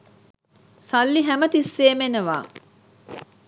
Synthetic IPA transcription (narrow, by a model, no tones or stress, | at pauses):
sɐlːiɦæmɐt̪isːeːmenɐʋa̰ː